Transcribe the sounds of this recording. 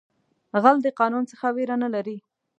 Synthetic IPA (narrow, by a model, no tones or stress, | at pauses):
ɣald̪əqɑnunt͡səxaweɾanalaɾi